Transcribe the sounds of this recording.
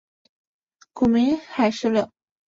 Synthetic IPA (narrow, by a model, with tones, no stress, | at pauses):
kʰu˨˩mi˧˥xa˨˧ɪʂɻ̩˥lə˧˩